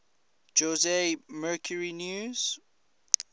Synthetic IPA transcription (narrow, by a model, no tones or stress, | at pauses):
d͡ʒozemɜːˑkʰjəɹinjuz̥